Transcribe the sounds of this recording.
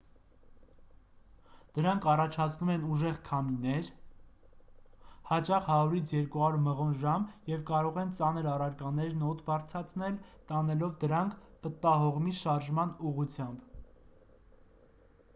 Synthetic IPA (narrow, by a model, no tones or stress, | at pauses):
d̪̥əɾɑŋkʰɑrɑt͡ʃʰɑt͡sʰnumɛnuʒɛʁkʰɑminɛɾ | hɑt͡ʃɑχhɑɾuɾit͡sʰjɛɾkuɑuɾməʁɔnʒɑmjɛvkɑɾɔʁɛnt͡sɑnəɾɑrɑɾkɑnɛɾnɔt̪bɑɾt͡sʰɑt͡sʰnɛlt̪ɑnɛlɔvd̪əɾɑŋkʰpət̪ɑɦɔʁmiʃɑɾʒmɑnuʁut͡sʰjɑmb